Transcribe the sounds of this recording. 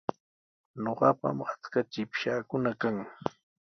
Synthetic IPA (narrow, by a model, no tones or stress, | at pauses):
ɲoɢɑpa̰mat͡skat͡ʃɪpʃaːkʊnakaŋ